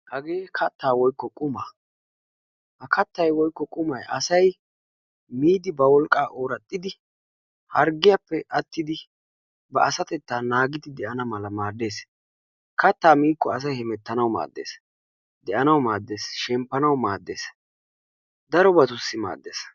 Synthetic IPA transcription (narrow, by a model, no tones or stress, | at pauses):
hɐɡeːkʰɐt̪ːaːwɔjkːɔkʼʊmaː | hɐkɐt̪ːɐjwɔjkːɔkʼʊmɐjʔɐ̰sɐj | miːd̪ɪbɐwɔlkʼːaːʔoːɾɐt̪ʼːɪd̪ɪ | hɐɾɡɪjapːɛʔɐt̪ːɪd̪ɪ | bɐɐsɐt̪ɛt̪ːaːnaːɡɪd̪ɪd̪ɛʔɐnɐmɐlɐmaːd̪ːe̞ːs | kʰɐt̪ːaːmiːkːɔɐs̬ɐjhɛmɛt̪ːɐnɐwma̰ːd̪ːḛːs | d̪ɛʔɐnɐwmaːd̪ːe̞ːsʃɛmpːɐnɐwmaːd̪ːe̞̰ːs | d̪ɐɾɔbɐt̪ʊsːɪma̰ːd̪ːeːs